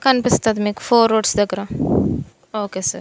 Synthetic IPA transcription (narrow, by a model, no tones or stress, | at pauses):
kɐnpɪst̪at̪mikfoːɾoːʈsd̪ɐɡɾa | oːkesɐɾ